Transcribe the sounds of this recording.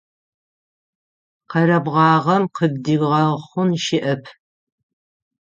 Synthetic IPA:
qɐɾɐbʁɑːʁɐmqəb̚diɡʁɐχʷʊnʃɪʔɐpʰ

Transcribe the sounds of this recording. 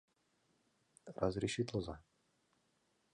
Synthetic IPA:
ɾazɾiʃit̪lɔza

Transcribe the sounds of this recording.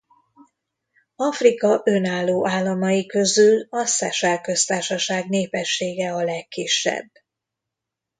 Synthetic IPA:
ɒfrikɒʔønaːlːoːʔaːlːɒmɒjikø̞zylɒsɛʃɛlkø̞st̪aːrʃɒʃaːɡneːpɛʃːeːɡɛɒlɛkːiʃːɛ̰bː

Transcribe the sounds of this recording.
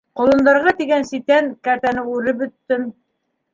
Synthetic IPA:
qŏlˠɤ̆nd̪ɑɾʁɑt̪iɡænsit̪ænkæɾt̪ænɘʉɾɘp̬̚bɵ̆t̪ːɘm

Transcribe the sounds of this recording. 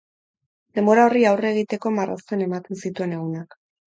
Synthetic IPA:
d̪e̞mbo̞ɾao̞riawre̞ɣ̞it̪e̞ko̞marʔa̰st̪ene̞mat̪e̞nsit̪ue̞ne̞ɣunak

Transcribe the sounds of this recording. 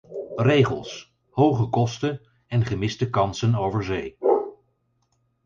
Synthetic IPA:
rejχə̰lˠs | howχəkɔstən | ɛnχəmɪstəkɑnsənowvəɹzej

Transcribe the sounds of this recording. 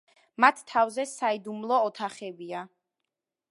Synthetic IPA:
mat̪ʰːavzɛsaid̪umlˠɔːt̪ʰaχɛbia

